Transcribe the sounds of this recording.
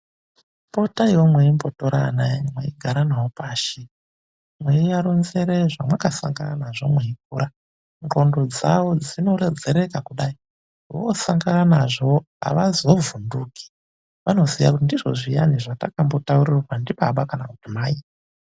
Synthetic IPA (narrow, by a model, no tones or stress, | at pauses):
po̞tajwomweimbotoɾa̰namwḛiɡʱaɾanawopaːʃi | mwejaɾonze̞ɾe̞ʐamwakasa̰ŋɡananaʐo̞mweik̚uːɾa | ro̞ndo̞d͡zawo̞d͡zino̞ɾed͡zeɾe̞kakuɗai | wosaŋɡananaʐo | a̰ʋazovunduki̥ | ʋano̞zija̰kutindiʐo̞̰ʐijaniʐatakambo̞tauɾirrwandiɓaɓakanaku̥timaːi